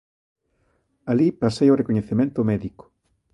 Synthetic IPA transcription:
alipasejorekoɲeθemẽnt̪ʊmɛðiko̥

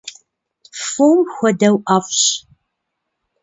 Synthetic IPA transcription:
foːmxʷɔdɐwʔafɕ

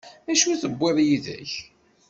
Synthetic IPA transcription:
æʃuθəbʷːeðˤjiðæ̰ç

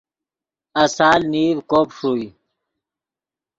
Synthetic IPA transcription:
ɐsaːlniːɾkoːpʂuːi

